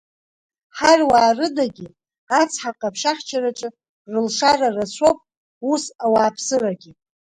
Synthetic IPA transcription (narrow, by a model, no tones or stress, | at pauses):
ħarwaːrɨdaɡʲi | at͡sʰħaqʼapʰʃaχt͡ʃʰaɾaʈ͡ʂʼɨ | rɨlʂararasʷʰowpʼ | usawaːpʰsɨraɡʲi